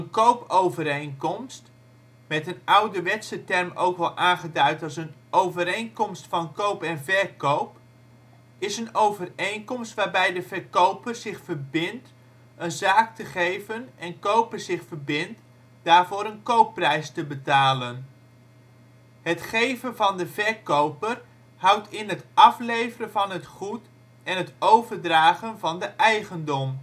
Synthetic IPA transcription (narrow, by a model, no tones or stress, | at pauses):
ənkowpowvəɾejnkɔmst | mɛtənʌwdəʋɛtsətɛrmo̰wkʋɛlˠʔaːnχədœɥtɑlˠs̬ən | owvəɾejnkɔmstfɑnkowpɛnvɛɹkowp | ɪsənowvərejnkɔmstʋaːɹbɛjdəvɛɹkowpərz̥ɪχfərbɪnt | ənzaːktəχejvənɛnkowpəɹzɪχfəɹbɪnt | d̥aːɹvʊːɾənkowpːrɛjstəbətaːlən | ɦətχejvənvɑndəvɛɹkowpər | hʌwtʰɪnɦətɑflejvərənvɑnɦətχut | ɛnɦətowvəɹdraːχənvɑndəʔɛjχəndɔm